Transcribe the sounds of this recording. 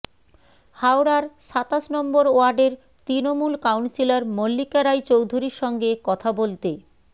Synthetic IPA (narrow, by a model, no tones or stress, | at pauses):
hawɾaɾʃat̪aʃnɔmboɾoaɾɖeɾ | t̪ɾinomulkawnsilaɾmolːikaɾajt͡ɕowd̪ʱuɾiɾʃɔŋɡekɔt̪ʰabolt̪e